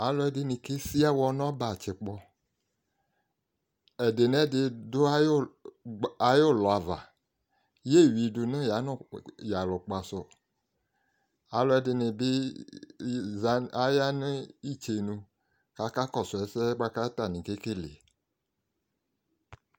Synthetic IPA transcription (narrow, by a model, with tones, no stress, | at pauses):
a˨˦lɔ˦ɛ˨˦dɪ˨nĩ˨ke˦si˦a˦wɔ˧nɔ̃˦ba˨t͡ʃɪ˨k͡pɔ˧ | ɛ˨de˨nɛ˦dɪ˧dʊ˦a˦ | a˨jo˦˨lɔ˨a˨va̰˨ | je˦˨wi˨du˨nẽ˦ja˨˦nɔ˦˨ja˨lɔ˨k͡pa˨sɔ˨ | a˨˦lɔ˨˦ɛ˦dɪ˨nɪ˨bɪ˦ | a˦ja˦ni˦i˦˨t͡ʃe˨nũ˧ | ka˨ka˦kɔ˦˨sɔ˨ɛ˨˦sɛ˦ɡ͡ba˦ka˦t̪a˦˨nĩ˨ke˦ke˦lḛ˨